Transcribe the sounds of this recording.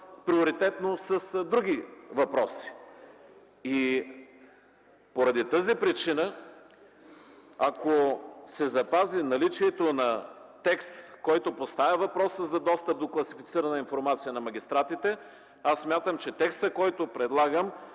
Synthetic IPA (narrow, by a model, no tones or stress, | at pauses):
pɾioɾit̪ɛt̪nosəsd̪ɾuɡ̟ʲivɐpɾɔsi̥ | i | poɾɐd̪it̪əzipɾit͡ʃinə | akosɛzɐpazinɐlit͡ʃiɛt̪onɐt̪ɛkst̪kɔjt̪opost̪avʲɐvɐpɾɔsəzɐd̪ɔst̪əp̚d̪oklˠɐsifit̪siɾənəinfoɾmat̪sijənɐmɐɡʲist̪ɾat̪it̪ɛ | asːmʲjat̪əmt͡ʃɛt̪ɛkst̪əkɔjt̪opɾɛd̪lˠaɡəm